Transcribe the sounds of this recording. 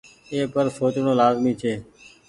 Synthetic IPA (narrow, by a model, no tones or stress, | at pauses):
eːpəɾsoːt͡ʃɳõːlaːzmĩːt͡ʃʰeː